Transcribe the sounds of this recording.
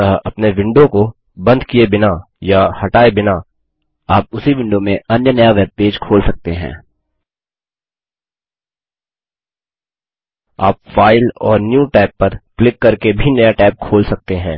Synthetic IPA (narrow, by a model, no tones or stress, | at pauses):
əɐpneʋɪ̃ɳɖõko | bɐ̃nd̪ʱkiebɪna | jahɐʈaːebɪna | aːp̚ʊsiʋɪ̃ɳɖomẽɐnjənɐjaʋɛːb̚peːd͡ʒkʰoːlsɐk̚t̪eɦɛ̰̃ː | aːp̚faːɪlɔːɾnjuːʈɛːpːɐɾklɪkːɐɾkebʱinɐjaʈɛːp̚kʰoːlsɐk̚t̪eɦɛ̃ː